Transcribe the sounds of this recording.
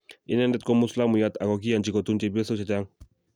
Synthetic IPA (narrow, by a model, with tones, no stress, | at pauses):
ʔḭ˦nɛ˦ndɛ˦t̪̚ko˦mu˦sla˦mu˨jat̪a˨ko˨k̬i˦ja˨nt͡ʃi˨ko˨t̪u˦nt͡ʃe˦bi˦e˦so˦t͡ʃa˨t͡ʃa˦ŋ